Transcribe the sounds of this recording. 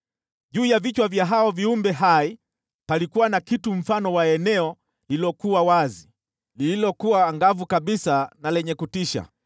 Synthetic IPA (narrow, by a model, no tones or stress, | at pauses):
ʄuːjavit͡ʃwavjaɦaɔviumbɛɦai | palikuwanakitum̩fanɔwaɛnɛɔ | lilɔkuwawazi | lililɔkuwaŋɡavukaɓisanalɛɲɛkutiʃa̰